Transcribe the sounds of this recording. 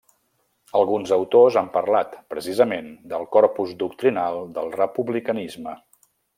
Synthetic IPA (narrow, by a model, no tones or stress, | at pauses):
əlˠɣunzəwt̪ozampərlat̪pɾəsizəmend̪əlˠkɔɾpuzd̪uk̚t̪ɾinalˠd̪əlˠrəpuβlikənizmə